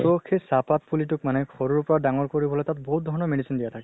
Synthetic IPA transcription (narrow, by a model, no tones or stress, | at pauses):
tokʰesapat̚pʰulitʊk̚manɛkʰɔɹuɹpɔɹadaŋɔɹkoɹibɔlojtatbɔɦut̚d̪ʱɔɹnɔmeɖisindijatʰakɛ